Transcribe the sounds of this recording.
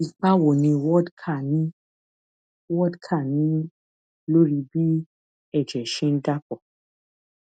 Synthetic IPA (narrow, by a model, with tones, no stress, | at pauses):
i˨k͡pa˦wo˨nĩ˧wɔ˦dkʰa˦˨nĩ˦ | wɔ˦dkʰa˦˨nĩ˨˦ | lo˦ɾi˧bi˦ | ɛ˦˨d͡ʒɛ˨ʃĩ˦n̩˦da˦kɔ˨